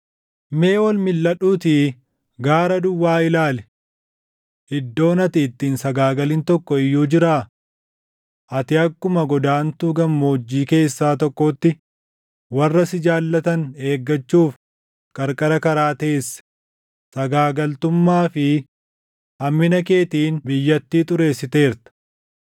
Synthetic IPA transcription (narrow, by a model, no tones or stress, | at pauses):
me̞ːwɐlmɪlːɐᶑuːt̪ɪ | ɡaːɾɐd̪ʊwːaːɪlaːlɛ | ɪd̪ːo̞ːnɐt̪ɪːt̪ːiːnsɐɡaːɡɐlɪnt̪ɔkːɔɪjːuːd͡ʒɪɾaː | ʔɐt̪ɪɐkːʊmɐɡɔd̪aːnt̪uːɡɐmːoːd͡ʒːiːke̞ːsːaːt̪ɔkːot̪ːɪ | wɐrːɐsɪd͡ʒaːlːɐt̪ɐne̞ːɡːɐt͡ʃːuːf | kʼɐɾkʼɐɾɐkɐɾaːt̪eːsːɐ̥ | sɐɡaːɡɐlt̪ʊmːaːfɪ | hɐmːɪnɐk̬e̞ːt̪iːnbɪjːɐt̪ːiːt̪ʼʊɾe̞ːsːɪt̪e̞ːɾt̪ɐ̥